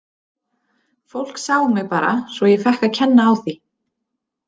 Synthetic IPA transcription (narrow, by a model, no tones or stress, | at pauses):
fowl̥ksaːwʏmɛɣpaːɾa̰svɔjɛɣfɛhkaðcʰɛnːaːwθi